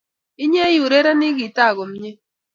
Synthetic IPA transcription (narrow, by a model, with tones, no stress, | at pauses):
ɪ˦ɲe˦ju˨ɾe˦ɾa˦nɪ˦ɡi˨ta˦˨ɡo˨m˦ɲe˦